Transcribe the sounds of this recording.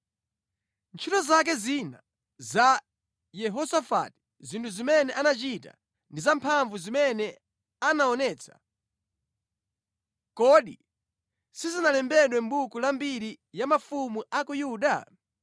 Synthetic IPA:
nt͡ʃʰitɔzak̬ɛzina | za | jɛɦɔsafa̰ti̥ | zintʰuzimɛnɛʔanat͡ʃita̰ | ndizampʰaɱvuzimɛnɛ | anaɔnɛːt͡sʰḁ̰ | kɔɗi | sizinalɛmbɛɗwɛmbukulambiɾi | jamafumuʔakujuːɗa

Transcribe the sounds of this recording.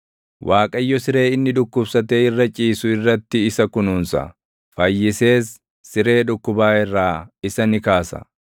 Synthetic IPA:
wʔaːkʼɐjːɔsɪɾe̞ːɪnːɪᶑʊkːʊbsɐt̪eːɪrːɐt͡ʃʼiːsʊɪrːɐt̪ːɪːsɐkʊnʊːnsɐ̰ | fɐjːɪse̞ːsː | ɪɾe̞ːᶑʊkːʊbaːɪrːaːɪsɐnɪkaːsɐ̰

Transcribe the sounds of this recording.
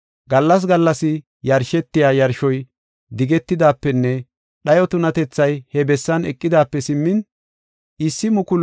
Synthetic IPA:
ɡɐlːɐs̬ɡɐlːɐsɪ | jɐɾʃɛt̪ːɪjaːjɐɾʃɔj | d̪ɪɡɛt̪ːɪd̪aːpːɛnːɛ | ɗɐjɔt̪ʊnɐt̪ɛt͡sːɐjhɛbɛsːɐnɛkʼːɪd̪aːpːɛsɪmːɪn | ɪsːɪmʊkʊl

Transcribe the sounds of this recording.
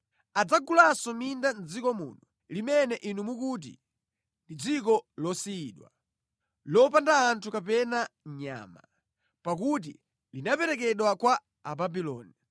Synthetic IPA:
ad͡zaɡulasɔmindand͡zikɔmṵːnu | limɛnɛʔinumukut̬ḭ | ndid͡zikɔlɔsiːɗwa̰ | lɔpandaːntʰukapɛnaɲa̰ːma̰ | pakut̬ḭ | linapɛɾɛkɛɗwakwa | ababilɔ̰ːni

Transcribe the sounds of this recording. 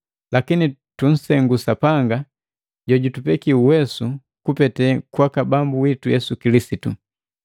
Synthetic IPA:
lakinitun̩sɛŋɡusapaŋɡa | ɟɔɟutupɛkiuwɛsu | kupɛtɛkwakabambuwitujɛsukilisitu

